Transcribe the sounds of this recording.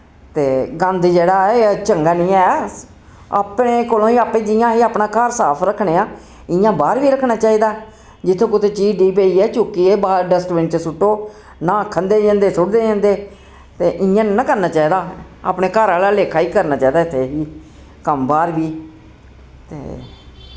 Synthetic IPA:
t̪eːɡənd̪d͡ʒeːɽaːt͡ʃəŋɡaːnĩːɛː | a̰ːpɳeːkoːlõːiːaːpẽːd͡ʒɪjãːɦiːaːpnãːkəɾsaːpʰɾəkʰːneːaː | ɪ̃jãːbaːɾʋiːɾəkʰːnaːt͡ʃaːiːd̪aː | d͡ʒɪt̪ʰːõːkʊt̪ʰeːt͡ʃiːɖiːp̬eːiːɛːt͡ʃuːkieːbaːɾɖəsʈʋɪ̃nt͡ʃəsʊʈːoː | nãːkʰːənd̪eːd͡ʒãːnd̪eːsʊɽd̪eːd͡ʒãːnd̪eː | t̪eːʔɪjãːnãːkəɾnaːt͡ʃaːiːd̪aː | a̰ːpɳeːkəɾaːlaːleːkʰaːiːkəɾnaːt͡ʃaːiːd̪aːɪt̪ʰːeːɦiː | kəmbaːɾʋiː | t̪ḛː

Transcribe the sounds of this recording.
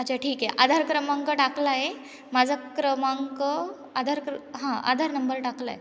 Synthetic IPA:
ad͡ʑaʈʰiːkeʔad̪ʱaɾkɾəmãŋkəʈaklaje | mad͡zʱakɾəmaŋkə | ad̪ʱaɾkɾɦãa̰d̪ʱaɾnəmbəɾʈakla̰ḛ

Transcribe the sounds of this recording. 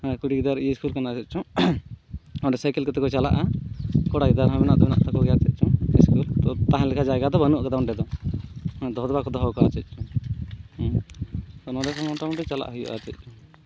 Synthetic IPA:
kuɽiɡid̪aɾiiskulkanat͡ʃɛt̪̚ˀt͡ʃɔ | ɔ̃ɖɛsajkɛlkɔt̪ɛkɔt͡ʃala̰ʔakɔɽaɡid̪aɾɦɔ̃mɛnaʔd̪ɔbɛna̰ʔt̪ʰakɔɡɛjat͡ʃɛt̪̚ˀt͡ʃɔiskult̪ɔt̪aɦãlɛkʰad͡ʒajɡad̪ɔbənuʔkad̪awɳɖɛd̪ɔ̃ | d̪ɔɦd̪ɔbakɔd̪ɔɦɔwkaat͡ʃɛc̪̚ˀt͡ʃɔ | t̪ɔnɔɖɛsɔmɔʈawnʈɛt͡ʃalaʔɦujuʔa̰t͡ʃɛc̪̚ˀt͡ʃu

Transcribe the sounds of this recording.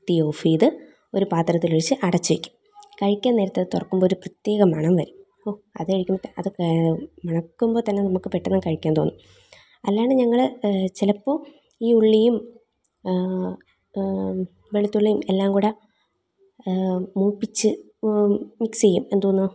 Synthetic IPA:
t̪ijoːfiːðɨ | o̞ɾupaːt̪rɐt̪ːiloɻit͡ɕːɨʔɐɽɐt͡ɕːuʋikʲːu̥m | kɐɻikʲːaːnːeːɾɐt̪ːeðɨt̪urɐkːumboːoɾuprɐt̪je̞ːɣɐmɐɳɐmʋɐɾu | oɐ̰ðɨɐɻikʲːumɐt̪ːeɐðɨmɐɳɐkːumbo̞ːt̪ɐnːe̞nɐmukːɨpeʈːɐnːɨkɐɻikʲːaːnt̪o̞̰ːnːu | ɐlːejaːɳɨɲɐŋːɐɭt͡ɕilɐpːo̞ː | iːuɭːijum | ʋeɭit̪ːuɭːijumelːaːmkuːɽe | muːpːit͡ɕːɨ | miksejːume̞nd̪uoːnːu

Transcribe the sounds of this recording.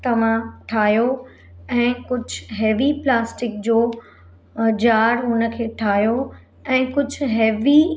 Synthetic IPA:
t̪ɐʋ̤ãʈʰaːɦjo | ɛ̃ːkʊd͡ʑʱɦeːʋiplaːsʈɪk̚d͡ʑoː | d͡ʑaːɾɦʊnə̆kʰeːʈʰaːɦijo | ɛ̃ːkʊd͡ʑʱɦeːʋi

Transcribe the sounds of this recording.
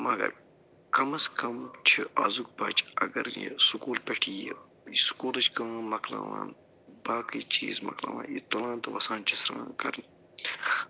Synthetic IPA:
mɐɡɐ̰ɾ | kɐmɐskʰɐmt͡ʃʰiʔaːzuk̚bɐːt͡ʃɐɡɐɾjesukuːlpʲeʈʰije | jisu̥kuːlɐt͡ʃkɐnmɐkʰlaːwãːn | baːkit͡ʃiːzmɐ̰kla̰ːwãːnjit̪olãːnt̪ɐʋɐsaːnt͡ʃʰisɾãːkɐɾni

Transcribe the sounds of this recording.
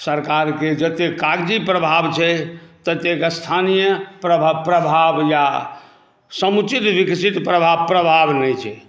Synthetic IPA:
səɾkaɾked͡ʒət̪ekaɡd͡ʒipɾəbʱabt͡ʃʰɛt̪ət̪ekəst̪ʰanijəpɾəapɾəbʱabja | səmut͡ʃit̪ʋiksit̪pɾəbʱapɾəbʱabnɛt͡ʃʰɛ

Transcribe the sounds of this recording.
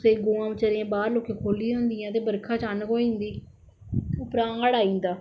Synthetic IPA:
seːɡoːãːmət͡ʃəɾẽãːbaːɾloːkeːkʰoːlĩʊnd̪ijãːt̪̬eːbəɾkʰaːt͡ʃaːnkoːiĩːnd̪iː | ʊpɾãːŋaɽaːĩːnd̪aː

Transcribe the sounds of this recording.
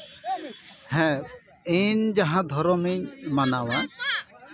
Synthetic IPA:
hɛ̃ | end͡ʒaɦãd̪ʱɔɾɔmeɲmanawa

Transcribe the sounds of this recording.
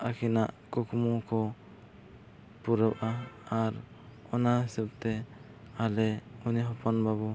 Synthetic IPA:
akʰinaʔkukʰmukɔ | puɾəbʔaːɾ | ɔnaɦisub̚t̪ɛ | alɛuniɦɔpɔnbabu

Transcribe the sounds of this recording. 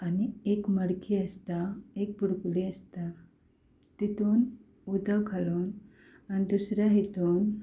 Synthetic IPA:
aniekməɽkʰiəst̪aek̚puɽkuliəst̪a | t̪it̪on | ud̪awkʰalon | anid̪usɾaɦit̪on

